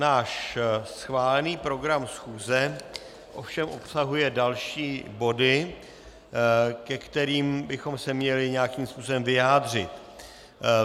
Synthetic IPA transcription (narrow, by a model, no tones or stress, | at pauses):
naːʃsxvaːlɛniːpɾo̞ɡɾamsxuːzɛ | ʔo̞fʃɛmʔo̞psaɦujɛdalʃiːbo̞dɪ | kɛkt̪ɛɾiːmbɪxo̞msɛmɲɛlɪɲɛakiːmspuːsobɛmvɪjaːdr̝ɪ̰t̪